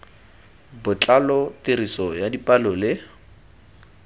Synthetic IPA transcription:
bʊt͡ɬʼalɔtɪrisɔjadipʼalɔlɪ

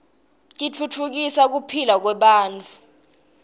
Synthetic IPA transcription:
k̬ʼit͡fʰut͡fʰuk̬isak̬upʰilak̬wɛɓaːnt͡fʼʰu

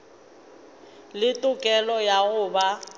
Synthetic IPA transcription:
lɪtʼʊkʼɛlɔjaɣʊba

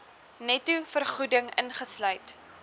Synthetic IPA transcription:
nɛtufərχudəŋə̰nχəslœɥt

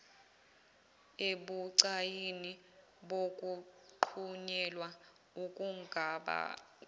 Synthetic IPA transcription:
eɓuǀajini | ɓokʼuǃʰuɲɛlwa | ukʼuŋɡʱaɓa̰

